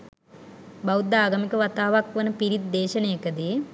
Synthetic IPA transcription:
bɐwd̪ːaːɡɐmikəʋat̪aːʋakʋɐnəpiɾit̪̚d̪eːʃɐnɐjɐkɐd̪i

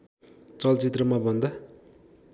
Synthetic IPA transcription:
t͡sʌlt͡sit̪rʌmabʌnd̪a

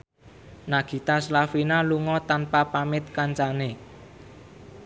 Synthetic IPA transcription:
naɡ̥i̤t̪aslafinaluŋɔt̪anpapamɪt̪̚kaɲt͡ʃane

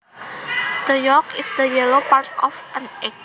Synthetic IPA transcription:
d̪̥əjɔkɪsd̪əjɛlopaɾtɔfãnɛk̚

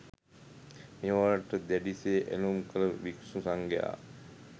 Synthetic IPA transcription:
miʋaɾaʈəd̪æɖiseːʔḛlumkʰələʋiksusaŋɡeja̰ː

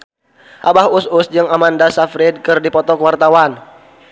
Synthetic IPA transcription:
ʔabahusʊsd͡ʒəŋamandasafɾɛd̚kɨrdipɔt̪ɔkəwart̪awan

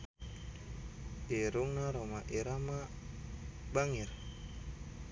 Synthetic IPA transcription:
iɾuŋnaɾomaʔiɾama | baŋir

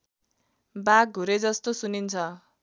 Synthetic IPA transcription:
baɡ̚ʱːuɾed͡zʌst̪osunint͡sʰʌ

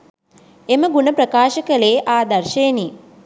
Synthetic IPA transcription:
emɐɡunɐpɾɐkaːʃɐkɐleːʔaːd̪ɐɾʃejni

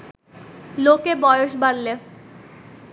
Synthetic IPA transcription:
lokebɔjoʃbaɾle

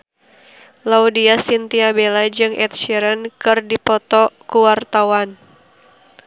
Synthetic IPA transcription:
laudiasint̪iabelad͡ʒɨŋʔɛt̪̚ʃiɾənkɨrdipɔt̪ɔkuwart̪awan

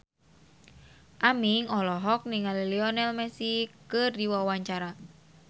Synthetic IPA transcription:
ʔamiŋɔlɔɦɔk̚niŋaliliɔnɛlmɛsikərdiwawaɲt͡ʃaɾa

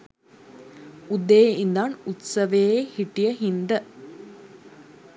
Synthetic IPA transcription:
ud̪ːeːind̪aːɳut̪sɐʋejeːhiʈːijɐɦind̪ɐ

